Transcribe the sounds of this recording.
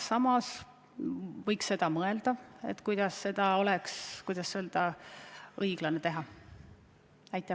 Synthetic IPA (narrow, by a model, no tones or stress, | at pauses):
sɑmɑs | vɤjksːe̞d̪̥ɑmɤe̞ld̪̥ɑe̞̰t̪kujd̪̥ɑsːe̞d̪̥ɑo̞lekskujd̪̥ɑsːeld̪ɑ | ɤiɡ̥lɑnet̪e̞ɦɑ | ɑjt̪ːˑæ